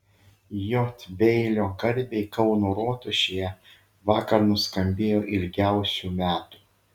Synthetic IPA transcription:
joːt̪ʲbʲɛɪlʲoːɡɐɾʲbʲeɪkɒʊnuːɾoːt̪ʊʃʲejɛ | ʋɑːkɐɾnʊskɐmʲbʲeːjoːʔɪlʲɡʲæˑʊsʲuːmʲæːt̪u̥ː

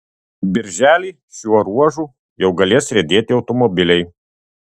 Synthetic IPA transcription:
bʲɪɾʲʒʲæːlʲiː | ʃʲuɔɾuɔʒuː | jɛʊɡɐlʲeːsɾʲɛd̪ʲeːt̪ʲɪɒʊt̪ɔmɔbʲɪlʲɛɪ

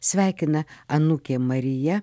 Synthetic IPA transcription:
sʲʋʲæːɪkʲɪnɐɐnukʲeːmɐɾʲɪjɛ

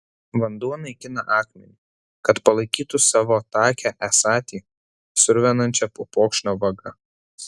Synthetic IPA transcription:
ʋɐnd̪uɔnɐɪkʲɪnɐʔɑːkmʲɛ̰nʲi | kɐt̪pɐlˠɐɪkʲiːt̪ʊsɑːʋoːt̪ɑːkʲæʔæsɑːt̪ʲiː | sʊɾʲʋʲɛnɐnʲt͡ʃʲɛpoːpoːkʃʲnʲoːʋɐɡɐ

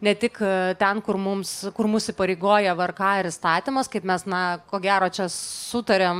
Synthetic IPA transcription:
nʲɛt̪ʲɪkt̪ʲɛnkʊrmʊmskʊrmʊsʲɪpɐɾʲeɪɡoːjɛʋɐrkɑːɪɾɪst̪ɑːt̪ʲɪmɐskɐɪpmʲɛsnɐkoːɡʲæːɾoːt͡ʃʲɛsʊt̪ɐɾʲeːm

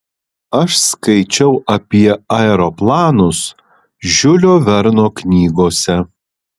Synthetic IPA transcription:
ɐʃskɐɪt͡ʃʲɛʊʔɐpʲiɛɐɛɾoplˠɑːnʊs | ʒʲʊlʲoːʋʲɛɾnoːknʲiːɡoːsʲɛ

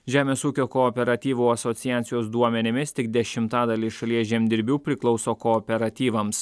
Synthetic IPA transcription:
ʒʲæːmʲeːsuːkʲoːkɔːpʲɛɾɐt̪ʲiːʋuːɐsot̪sʲɪjæːt̪sʲɪjoːsd̪uɔmʲɛnʲɪmʲɪst̪ʲɪɡd̪ʲɛʃʲɪmt̪ɑːd̪ɐlʲiʃɐlʲiɛʒʲɛmʲd̪ʲɪɾʲbʲuːpʲɾʲɪklˠɒʊsoːkɔːpʲɛɾɐt̪ʲiːʋɐms

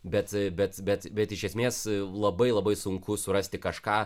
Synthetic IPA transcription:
bʲɛt̪bʲɛt̪bʲɛt̪bʲɛt̪ɪʃʲɛsʲmʲeːslˠɐbɐɪlˠɐbɐɪsʊŋkʊsʊɾɐsʲt̪ʲɪkɐʃkɑː

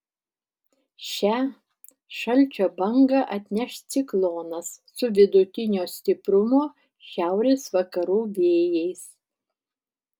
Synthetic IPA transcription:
ʃʲæ | ʃɐlʲˑt͡ʃʲoːbɐŋɡɐʔɐt̪ʲnʲɛʃt̪sʲɪklˠoːnɐsːʊʋʲɪd̪ʊt̪ʲɪnʲoːsʲt̪ʲɪpɾʊmoː | ʃʲæˑʊɾʲeːsʋɐkɐɾuːʋʲeːjɛɪs

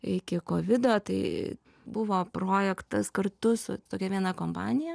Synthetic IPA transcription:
ɪkʲɪkoːʋʲɪd̪oːt̪ɐɪ | bʊʋoːproːjɛkt̪ɐskɐrt̪ʊsʊ̰t̪oːkʲɛʋʲiɛnɐkoːmpɑːnʲɪjɛ

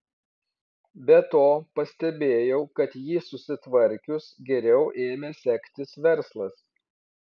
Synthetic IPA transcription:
bʲɛt̪oːpɐsʲt̪ʲɛbʲeːjɛʊkɐt̪jiːsʊsʲɪt̪ʋɐɾʲkʲʊsɡʲɛɾʲɛʊʔeːmʲeːsʲɛkʲt̪ʲɪsʋʲɛɾslˠɐs

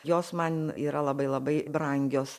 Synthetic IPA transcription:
joːsmɐniːɾɐlˠɐbɐɪlˠɐbɐɪbɾɐŋʲɡʲoːs

